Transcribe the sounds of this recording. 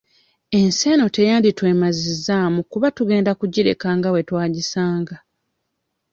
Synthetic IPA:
e̞nse̞ːno̞te̞jaːnditwe̞ːmazizːaːmukuβatuɡe̞ːndakuɟiɾe̞̰kaːŋɡawe̞twaːɟisaːŋɡa

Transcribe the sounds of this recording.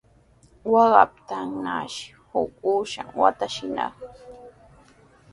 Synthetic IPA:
wɑɢɑp̚t̪aŋnaʃ | hʊkʼuʃaŋwat̪aʃɪnɑ̰χ

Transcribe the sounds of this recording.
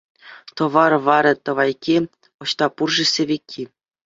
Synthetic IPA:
t̪ɤ̆ʋɑrʋɑɾʲɤ̆t̪ɤ̆ʋɑjkʲi | ŏɕt̪ɑpurʐɘ̆sʲĕʋʲekʲʰːi

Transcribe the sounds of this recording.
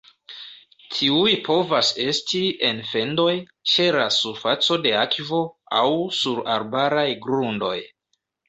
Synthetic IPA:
tʰiujpʰo̞vase̞stie̞nfe̞ndo̞j | t͡ʃe̞lasuɾfat͡so̞de̞akvo̞a̰wsuɾa̰ɾbaɾajɡɾundo̞̰j

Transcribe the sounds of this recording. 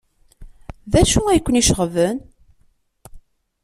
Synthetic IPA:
ðæʃuæjkʷːəniʃəʁvən

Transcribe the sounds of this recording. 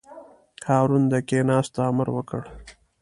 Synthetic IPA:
kʰɑːɾund̪əkenɑːst̪aːmaɾwəkəɽ

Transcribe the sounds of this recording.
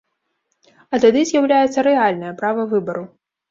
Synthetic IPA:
ɐt̪ad̪ɨzʲjawlʲajɛt̪sːɐɾɛalʲnɐjɐpɾavɐvɨbɐɾu

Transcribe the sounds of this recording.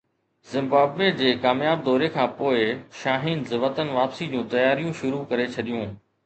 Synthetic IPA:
zɪ̃mbaːbʋed͡ʑeːkaːmjaːb̚d̪ɔːɾekʰãːpoːɪʃaːɦiːnzɪʋət̪ənʋaːpsid͡ʑũːt̪ɐjaːɾijũʃʊɾukɐɾet͡ɕʰɐɗijũː

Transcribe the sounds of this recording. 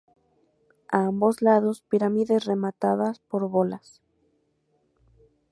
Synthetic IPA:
aambo̞zlaðo̞spiɾamiðesre̞mat̪aðaspo̞ɾβolas

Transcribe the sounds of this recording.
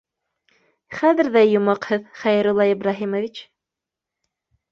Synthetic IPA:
χæðɘ̆ɾðæjŭmɑqhɤðχæj̆ɾulˠɑibɾɑɦimovʲit͡ɕ

